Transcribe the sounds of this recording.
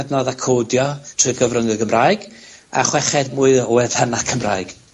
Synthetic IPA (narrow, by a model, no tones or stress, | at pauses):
dnɔðakʰoːdjɔtʰrɨɡəvrəŋəɡəmraːɨɡ̥a̰χwɛχɛdmuːɨðɔwɛðanakʰəmraːɨɡ̥